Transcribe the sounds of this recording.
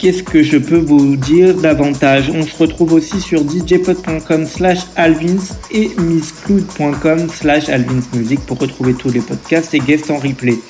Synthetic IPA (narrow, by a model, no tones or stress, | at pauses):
kʲɛskəʒəpøvud̪iʁd̪avɑ̃t̪aʒɔ̃səʁət̪χuvosisyʁd̪id͡ʒepɔt̪̚pwɛ̃kɔmslaʃalvinsemisklud̪pwɛ̃kɔmslaʃa̰lvinsmyzik̚puʁːət̪χuvet̪ʰulepɔd̪kʲast̪eɡɛst̪ɑ̃ʁiple